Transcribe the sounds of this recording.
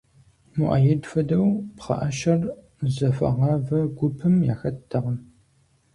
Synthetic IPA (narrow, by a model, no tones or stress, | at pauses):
mʊʔa̰ːjɛdfɐdɐwpχɐ̰ʔɐʃɐr | zɐfɐ̰ʁɐvɐɡʷʊpʰɨmja̰ːxɐtʰːɐʁɐm